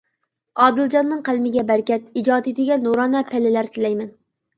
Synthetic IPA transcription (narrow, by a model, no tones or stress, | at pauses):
ɑːd̪ɨld͡ʒɑnːɨŋqʰælmɪɡʲɛbæɾkʲɛt̪̚id͡ʒɑːd̪id̪ɪɡʲɛnːoɾɑːnɛpʰɛlːɪlæɾt̪ʰɪlɛjmɛn